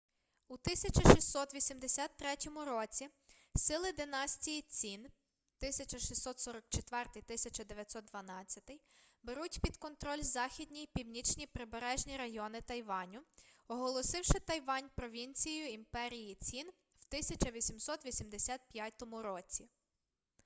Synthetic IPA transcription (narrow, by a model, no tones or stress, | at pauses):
ut̪ɪsʲɐt͡ʃɐʃisʲːɔt̪ʋʲisʲimd̪esʲat̪ːɾɛtʲɔmʊɾɔt͡sʲi | sɪlˠɪd̪ɪnɑsʲtʲijit͡sʲin | t̪ɪsʲɐt͡ʃɐʃisɔt̪sɔɾɔk̚t͡ʃet̪ʋɛrt̪ɪjt̪ɪsʲɐt͡ʃɐd̪eʋʲjɐt̪ʲsɔt̪̚d̪ʋɐnɑt͡sʲːɐt̪ɪjbeɾutʲpʲid̪kɔnt̪ɾɔlʲzɑxʲid̪ʲnʲijpʲiwnʲit͡ʃnʲipɾɪbeɾɛʒnʲiɾɐjɔnɪt̪ɐjʋɑnʲʊɔɦɔlˠɔsɪwʃɪt̪ɐjʋɑnʲpɾɔʋʲinʲt͡sʲijʊimpɛɾʲijit͡sʲin | wt̪ɪsʲɐt͡ʃɐʋʲisʲimsɔt̪ʋʲisʲimd̪esʲɑt̪̚pʲjat̪ɔmʊɾɔt͡sʲi